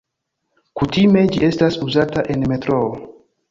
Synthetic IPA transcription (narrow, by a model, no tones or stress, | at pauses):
kutime̞d͡ʒiʔe̞stasuzataʔe̞nme̞tɾoo